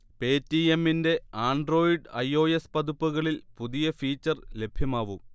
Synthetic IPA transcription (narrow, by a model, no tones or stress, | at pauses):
pe̞ːtːiemːinde̞aːɳɖro̞ːjiɖɐjo̞ːjespɐd̪upːuɣɐɭilpuðijɐfiːt͡ɕːɐrle̞bʱjɐmaːʋu